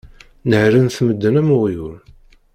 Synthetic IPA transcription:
nəhɾənθməd̪ːənæmʊʁjʊɾ

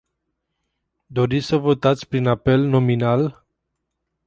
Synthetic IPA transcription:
d̪o̞ɾit̪ʲsəvo̞t̪at̪sʲpɾinape̞lno̞minal

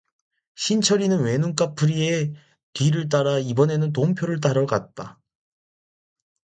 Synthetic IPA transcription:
ɕʰint͡ɕʰʌɾinɯnwe̞nuŋk͈apʰɯɾie̞ | tɥiɾɯɭt̬͈aɾaibʌne̞nɯnt̬oŋpʰjoɾɯɭt̬͈aɾʌɡat̚t͈a

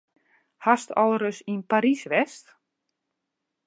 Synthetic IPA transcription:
hastɔlˠrəsinpaɾisʋɛst

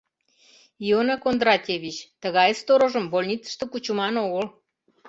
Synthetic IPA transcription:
ionɑkond̪rɑtʲeβʲit͡ɕt̪əɣɑjst̪oɾoʒəmbolʲnʲit͡sə̥ʃt̪okut͡ɕumɑnoɣəl

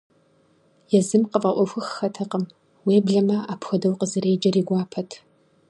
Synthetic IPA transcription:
jɛzɨmqəfʼɐʔʷɔxʷʊxːɐtʰɐqəm | weːbɮɐmɐaːpʰxʷɐdɐwqəzɨɾeːd͡ʒɐriːɡʷɑːpʰɐtʰ

